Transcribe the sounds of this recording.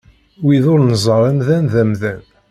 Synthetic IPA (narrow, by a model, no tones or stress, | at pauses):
wiðʊɾnəzˤəɾˤæmðænðæmðæn